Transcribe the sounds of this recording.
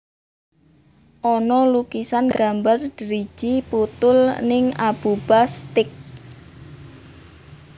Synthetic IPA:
ʔɔnɔlukisanɡ̥a̤mbard̥ɾi̥ʒ̥iput̪ʊlnɪŋab̥ub̥ast̪ɪk̚

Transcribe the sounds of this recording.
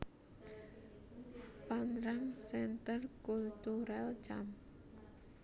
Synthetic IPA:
panɾaŋsɛnt̪ərkult̪uɾɛlt͡ʃam

